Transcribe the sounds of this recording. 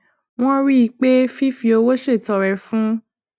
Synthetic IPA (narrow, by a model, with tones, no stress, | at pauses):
w̃ɔ̃˦ɾi˦i˧k͡pe˦fi˦fi˧o˧˦wo˦ʃe˦˨tɔ˨ɾɛ˨fũ˦